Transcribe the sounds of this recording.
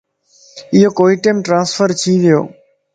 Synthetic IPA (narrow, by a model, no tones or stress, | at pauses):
ɪɦoːkoːiːʈeːmʈɾãːnsfʰəɾt͡ʃʰĩːʋɪjo̰ː